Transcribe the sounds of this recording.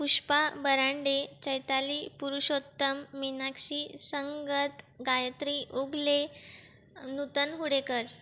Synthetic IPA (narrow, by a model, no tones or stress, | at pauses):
puʂpabəɾaɳɖet͡ɕəjt̪aliːpuɾuɕot̪ːəmːinakɕiːsəŋɡət̪ɡajət̪ɾiʔoɡle | nut̪ənɦuɽekəɾ